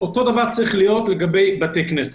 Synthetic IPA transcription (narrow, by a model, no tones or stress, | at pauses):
otodavaʁt͡sʁiχlijotləɡabeɪbatɛknɛs